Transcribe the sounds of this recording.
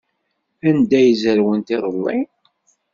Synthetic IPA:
ænd̪æjəzəɾwənt̪iɾˤəlːi

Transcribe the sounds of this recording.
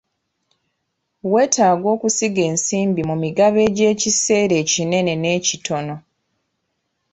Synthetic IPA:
we̞ːtaːɡo̞ːkusiɡe̞ːnsiːmbimumiɡaβe̞ːɟe̞ːcise̞ːɾe̞ːcine̞ne̞ne̞ːcitʰo̞no̞

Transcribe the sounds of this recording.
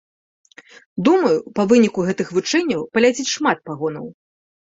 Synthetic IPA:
d̪umɐjupɐvɨnʲikuɣɛt̪ɨxvɨt͡ʂɛnʲːɐwpɐlʲad͡zʲit͡sʲʂmat̪̚paɣɔnɐ̰w

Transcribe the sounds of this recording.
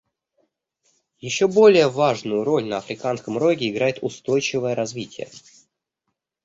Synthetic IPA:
jɪɕːo̞bo̞lʲɪjəvaʐnʊjʊɾo̞lʲnəɐfɾʲɪkan̪skəmro̞ɡʲɪɪɡɾajɪt̪ʊst̪o̞jt͡ɕɪvəjəɾɐzvʲitʲɪjə̰

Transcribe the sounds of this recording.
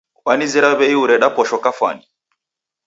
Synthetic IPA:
wanizɛɾaβɛiuɾɛɗapɔʃɔkafwa̰ni

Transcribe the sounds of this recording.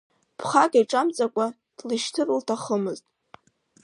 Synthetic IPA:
pʰχakʼajʈ͡ʂʼamt͡sʼakʷʼa | d̥lɨʃtʰɨrɨltʰaχəmɨztʼ

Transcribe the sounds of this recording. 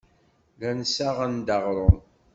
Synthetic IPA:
lænsaʁand̪ɑʁɾˤon

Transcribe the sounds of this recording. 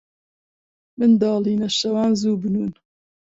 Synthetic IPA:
mɨnd̪ɑːliːnɐʃɐwɑːnzuːbɨnuːn

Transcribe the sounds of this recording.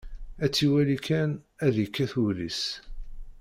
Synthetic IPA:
æt͡sːiwælikænæðjikːæθulis

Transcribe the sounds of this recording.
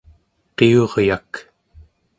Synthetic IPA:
qeoʁjak

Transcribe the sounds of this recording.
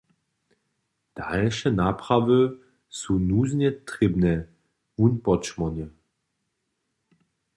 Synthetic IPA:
d̥alʃɛnaːpʁ̥avə | sunuːznjɛtʁɪbnɛ | unpɔt͡ʃmɔnjɛ

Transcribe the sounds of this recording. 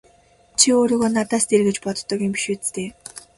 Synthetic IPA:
t͡ɕʰioːɾiːɣoːnat̪aːst̪eɾɣɘ̆t͡ɕpɔt̪ːɞ̆kempi̥ʃuːt͡s̪t̪eː

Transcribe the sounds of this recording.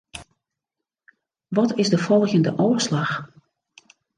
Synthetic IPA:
ʋɔtɪzdəfɔlˠɣəndəʔoːəɹslɑx

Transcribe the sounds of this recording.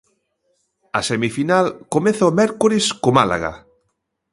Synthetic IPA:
ɐsemifinalkomeθaomɛɾkoɾeskomala̰ɣa̰

